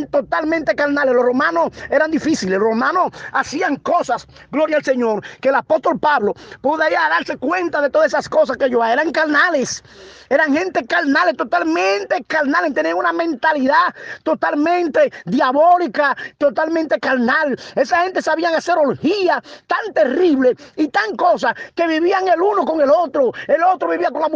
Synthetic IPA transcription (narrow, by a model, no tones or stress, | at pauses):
nt̪ot̪almẽnt̪e̞kaɾnaleslosromãnose̞ɾand̪ifisileslromãnosasiaŋkosas | ɡlo̞ɾjaːlse̞ɲo̞ɾkeːlapo̞st̪o̞lpaβlo̞pweðaiɾaðaɾse̞kwe̞nt̪aðe̞t̪oðasesasko̞saskeʝoaeɾaŋkaɾnalese̞ɾaŋhẽ̞nt̪e̞kaɾnalest̪o̞t̪almẽnt̪e̞kaɾnalent̪eniaŋunamẽnt̪aliðat̪o̞t̪almẽnt̪e̞ðjaβo̞likat̪o̞t̪almẽnt̪e̞kaɾnale̞sashe̞nt̪e̞saβiaŋase̞ɾolhiat̪ant̪e̞riβle̞it̪aŋko̞s̬ake̞βiβiaŋe̞luno̞ko̞ŋe̞lo̞t̪ɾoelo̞t̪ɾo̞βiβiakoŋlamu